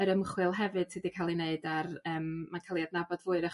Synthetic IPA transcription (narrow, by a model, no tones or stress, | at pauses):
əɾəmχwɨlˠɦɛvɨd̥sʰidikʰalˠineɨdarəːmːankʰalˠiadnabɔdvʊːɨɾəχ